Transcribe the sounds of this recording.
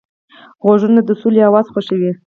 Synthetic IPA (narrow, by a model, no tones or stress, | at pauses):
ɣoʒənad̪əsuliawɑzxʷwaʃəwi